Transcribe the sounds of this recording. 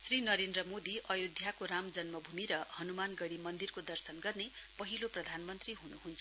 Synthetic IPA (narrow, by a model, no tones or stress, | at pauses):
srinʌɾend̪rʌmod̪iʔʌjud̪ʱjakoɾamd͡zʌnmʌbʱumiɾʌhʌnumanɡʌɽimʌnd̪irkod̪ʌrsʌnɡʌrne | pʌɦiloprʌd̪ʱanmʌnt̪riɦunuɦunt͡sʰʌ